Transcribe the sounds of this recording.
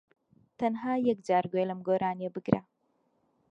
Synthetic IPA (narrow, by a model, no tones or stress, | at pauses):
t̪ɐnɦaːjɐk̚d͡ʒaːɾɡojlɐmɡoːɾaːnjebɨɡɾa̰